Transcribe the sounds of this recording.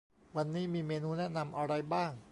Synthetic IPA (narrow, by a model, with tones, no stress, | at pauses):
wa˧nːiː˦˥miː˧meː˧nuː˧nɛ˦˥na˧mʔa˧ɾa˧jbaː˥˩ŋ